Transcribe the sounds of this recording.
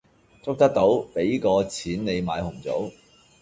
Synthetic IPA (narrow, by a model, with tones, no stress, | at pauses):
t͡sʊ˥k̚t̪ɐ˥k̚t̪o˨˥wpe˨˥jkɔː˧t͡sʰiː˨˥nne˨˧jma̰ː˨˧˥jhʊ˨˩ŋt͡so̰˨˥w